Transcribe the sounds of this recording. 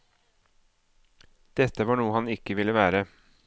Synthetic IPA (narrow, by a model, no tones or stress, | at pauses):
d̪̥ɛt̪ːəʋɑːɳuːəhɑnɪkːəʋɪlːəʋæːɾə